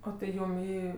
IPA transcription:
oː tɐɪ ˈjuːm ˈiː

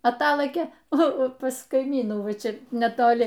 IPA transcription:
ɐˈtɑːlˠɘkʲeː ˈnʊ pɐs kɐɪˈmʲiːnuː ˈʋɐ ˈt͡ʃʲɛ nʲɛtoːˈlʲɪ

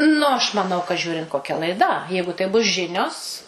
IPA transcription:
nʊ ɐʃ mɐˈnɐʊ kɐ ˈʒʲuːrʲɪnt koːˈkʲɛ lˠɐɪˈdɐ ˈjɛɪɡʊ tɐɪ bʊs ˈʒʲɪnʲoːs

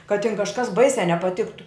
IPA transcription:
kɐt tʲɪn kɐʃˈkɐs ˈbɐɪsʲæː nʲɛpɐˈtʲɪktʊ

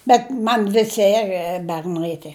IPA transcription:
bʲɛt ˈmɐn ˈʋʲɪsʲɪ ɛr bʲɛrˈnɐɪ tʲiɛ

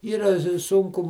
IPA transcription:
ˈiːrɐ ˈsʊŋkʊ

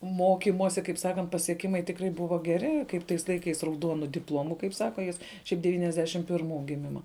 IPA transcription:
ˈmoːkʲɪmoːsʲɪ kɐɪp ˈsɑːkɐnt pɐsʲiɛˈkʲɪmɐɪ tʲɪkˈrɐɪ ˈbʊʋoː ɡʲɛˈrʲɪ kɐɪp ˈtɐɪs lˠɐɪˈkɐɪs rɐʊˈduɔnʊ dʲɪpˈlˠoːmʊ kɐɪp ˈsɑːkɐ ˈjɪs ˈʃʲɛɪp dʲɛʋʲiːnʲɛzʲˈdʲæːʃʲɪm pʲɪrˈmuː ɡʲɪˈmʲɪmɐ

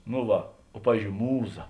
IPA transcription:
noː ˈʋɐ oː ˈpɑːʋʲiːzʲd͡ʒʲoːʊ ˈmuːˌzɐ

